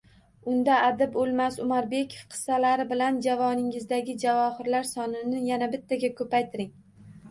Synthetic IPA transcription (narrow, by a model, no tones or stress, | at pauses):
ʊnd̪aʔːd̪ɪbolˠmasʊmaɾbe̞kʲʰo̥fqʰɨ̥salaɾɪbɪland͡ʒavɒnɪŋɪzd̪aɡʲɪd͡ʒavɒhɪɾlaɾsɒnɪnɪjanabɪt̪ʰːaɡʲakʰɵpajt̪ʰɪɾɪŋ